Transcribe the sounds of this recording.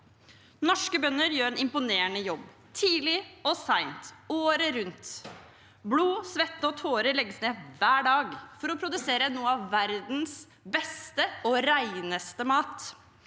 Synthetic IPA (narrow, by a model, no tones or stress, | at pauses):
nɔʂkəbœnːəɾjøːɾɛnɪmpʊneːənəjɔbː | t̪ʰiːlɪɔsæɪnt̪oːɾəɾʉnt̪ | bluːsʋɛt̪ːəɔt̪ʰoːɾəlɛɡːəsneːʋæːɖɑːɡfɔɾɔpʰɾʊd̪ʉseːɾənuːəɑʋːæɾd̪n̩s | bɛst̪əɔɾæɪnəst̪əmɑːt̪